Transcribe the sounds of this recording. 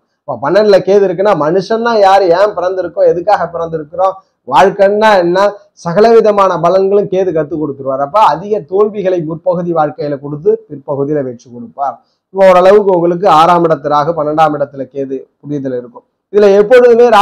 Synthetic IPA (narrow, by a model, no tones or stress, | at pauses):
ɐpːɐːpɐnːɐnɪlɐkeːðɪɾɯkːɯnːaːmɐnɯʂɐnːãːjaːɾɯeːmpɪɾɐnd̪ɪɾɯkːʊ̃ɛðɯkːaːɣɐpɪɾɐnd̪ɪɾɯkːɯɾõː | ʋaːɻkɐnːaːɛnːaː | sɐɣɐlɐʋɪðɐmaːnɐbɐlɐŋɡɐɭɯ̃mkeːðɯkɐt̪ːɯkːɔɽɯkːɯɾɯʋaːɾɐp̬ːɐɐðɪɣɐt̪oːɻbɪɣɐɭɐɪʊɾpɐɣɯðiʋaːɻkɐjɐlɐkɔɽɯt̪̬ːɯpɪɾpɐɣɯðɪjlɐʋɛt͡ʃːɯkːɔɽɯpːaːɾ | ɪpːɐɔɾɐɭɐʋɯkːɯɔŋɡɐɭɯk̬ːɯaːɾaːmɪɽɐt̪ːɪɾaːɣɐpɐnːɐɳɖaːmɪɽɐt̪ːɪlɐkeːðɯpʊɽɪjɐt̪ːɪlɪɾɯkːɯ̃ | ɪðɪlɐɛpːɔɻɯðɯmeːɾaː